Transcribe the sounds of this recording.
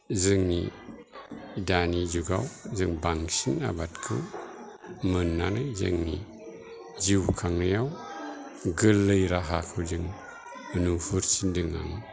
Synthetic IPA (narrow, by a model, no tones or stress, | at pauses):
zɯŋni | danizuɡa̰wzɯŋbaŋsina̰batkʰɯw | mɯnːanɯzɯ̰ŋni | ziwkʰaŋnajaw | ɡɯlːɯjɾaɦakʰɯwzɯŋ | ənufuɾsindɯŋa̰ŋ